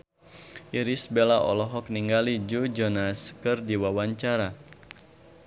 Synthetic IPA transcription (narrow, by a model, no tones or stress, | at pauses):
ʔiɾisbelaʔɔ̰lɔɦɔk̚niŋɡalid͡ʒud͡ʒɔnaskɨrdiwawaɲt͡ʃaɾa